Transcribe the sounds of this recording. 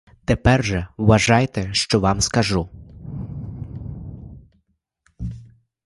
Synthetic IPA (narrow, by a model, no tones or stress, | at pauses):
t̪ɛpɛrʒɛʋɐʒɑjt̪ɛʃt͡ʃɔʋɑmskɐʒu